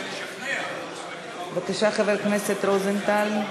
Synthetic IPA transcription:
bakaʃaχaveɾkneset̪ɾozent̪al

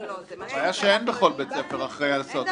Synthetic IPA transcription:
ajaʃeenbeχo̞lbet͡sefeʁaχʁejalasot̪

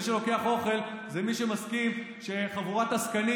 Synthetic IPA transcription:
iʃelo̞ke̞aχo̞χe̞l | zemiʃe̞maskim | ʃe̞χavuʁat̪askani

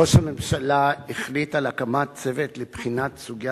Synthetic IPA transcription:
o̞ʃhame̞mʃalaiχlitalakamat͡se̞vetlepχinat̪suɡja

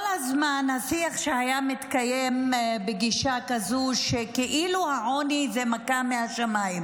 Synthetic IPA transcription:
lazmanhasiaχʃehajamit̪kajembeɡiʃakazuʃekeʔiluhaʕo̞nizemakamehaʃamaim

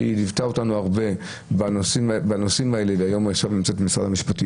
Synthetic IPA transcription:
inivtao̞tanuaʁbe̞ | banosimbanosimae̞le̞veajo̞maχʃavnimt͡set̪misʁa̰d̪amiʃpati

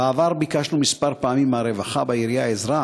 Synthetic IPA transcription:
aːvaɾbikaʃnumispaɾpaamimaɾevaχabaiɾijaezɾa

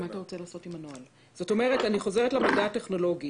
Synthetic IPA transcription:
maːtaʁo̞t͡selaːso̞timanoal | z̥o̞to̞meʁetaniχo̞zeʁetlamadaːteχno̞lo̞ɡi

